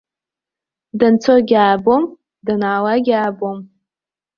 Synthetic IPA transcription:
dant͡sʰoɡʲaːbom | danaːlaɡʲaːbom

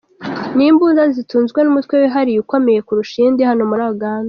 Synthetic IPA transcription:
niːmbuːnzazituːnzɡwe̞numutwe̞weɦaɾijuko̞me̞je̞kuɾuʃindehanomuɾaːjoɡaːnda

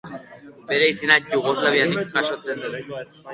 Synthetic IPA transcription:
beɾeisinad͡ʑoɣoslaβiand̪ikkaʃot͡send̪u

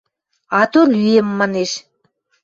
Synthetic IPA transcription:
ɑt̪olyemːɑneʃ

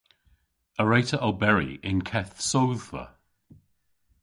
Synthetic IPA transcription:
əɹejtəʔəlˠbɛɹḭɪnkʰɛθsoðvə̰

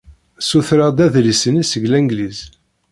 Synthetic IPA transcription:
suθɾad̪æðlisənisəʝlæŋɡliz

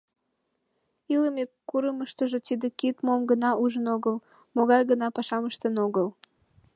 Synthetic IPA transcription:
iləmekːuɾəməʃt̪əʒot̪id̪ekit̪momɡənɑʔuʒənoɣəl | moɣɑjɣənɑpɑʃɑməʃt̪ənoɣəl

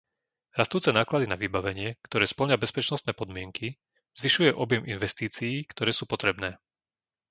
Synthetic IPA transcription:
ɾast̪uːt͡sɛnaːklad̪inaʋibaʋɛɲɪɛkt̪ɔɾɛːspl̩ɲabɛspɛt͡ʃnɔst̪nɛːpɔd̪mɪɛŋki | z̥ʋiʃujɛʔɔbjɛmʔinʋɛst̪iːt͡sijiːkt̪ɔɾɛːsuːpɔt̪ɾɛbnɛː

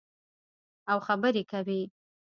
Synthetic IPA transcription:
awxabəɾekawi

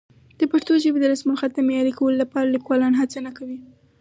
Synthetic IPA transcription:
d̪̥əpaɾt̪oʒəbed̪əlasmulxat̪̚d̪əmejɑɾikawəlolapɑɾalikwɑlɑnɦat͡sanakawi

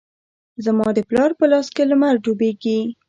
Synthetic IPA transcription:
zamɑd̪əplɑɾpəlɑskeləmaɾd͡ʒobeɡi

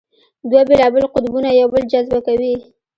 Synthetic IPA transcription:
d̪wabelɑbɪlqʊd̪bunajawbəld͡ʒazbakawi

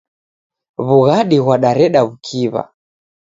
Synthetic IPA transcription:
βuɣaɗiɣwaɗaɾɛɗaβukʰiβa̰

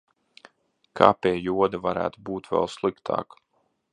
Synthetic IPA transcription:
kʰa̰ːpʲiɛjuɔd̪avaɾæ̰ːt̪ubuːt̪vɛ̰lˠslˠikt̪ʰa̰ːk

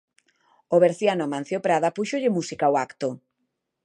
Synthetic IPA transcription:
oβeɾθjanomãn̟θjopɾaðapuʃoʎɪmusikaoakt̪o

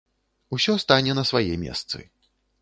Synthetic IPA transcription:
usʲɔst̪anʲɛnɐsvajɛ̰mʲɛ̰st̪sɨ̰

